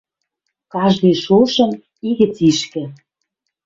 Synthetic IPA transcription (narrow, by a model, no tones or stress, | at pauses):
kɑʒd̪ejʃuʃɤ̆n | iɣɘ̆t͡siʃkɘ̆